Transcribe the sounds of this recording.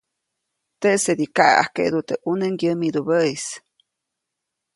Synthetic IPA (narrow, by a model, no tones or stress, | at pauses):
t̪eʔsed̪ikaʔa̰a̰hkḛʔd̪ut̪eʔuneŋɡjəmid̪ubəis